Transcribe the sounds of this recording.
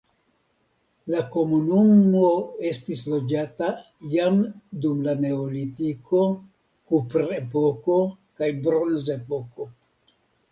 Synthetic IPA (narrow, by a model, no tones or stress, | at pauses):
lako̞munumo̞e̞stislo̞d͡ʒata | jamdumlane̞olitikʰo̞ | kupɾe̞po̞ko̞ | kajbɾo̞nze̞po̞ko̞